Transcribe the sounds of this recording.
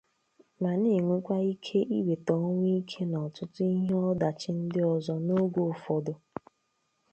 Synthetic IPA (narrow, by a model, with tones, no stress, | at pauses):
ma˨ni˦˨ŋʷe˦kʷa˦i˦kʰe˦ʔi˦we˨tɔ˨˦ŋʷ˦i˦kʰe˦nɔ˨tʊ˦tʊ˦i˦ɦe˦ɔ˦da˨t͡ʃɪ˦n̩˦dɪ˦ɔ˨zɔ˦no˦ɡʷo˦˨fɔ˨dʊ˨